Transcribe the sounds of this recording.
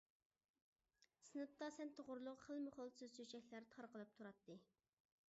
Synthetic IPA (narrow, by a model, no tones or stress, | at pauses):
sɨnɨp̚t̪ɑsɛnt̪ʰoʁʊɾlˠʊqχəlˠmʊχolˠsɨz̥søt͡ʃʰɛkʲlæɾt̪ʰɑɾqəlˠɨp̚t̪ʰuɾɑt̪ːɨ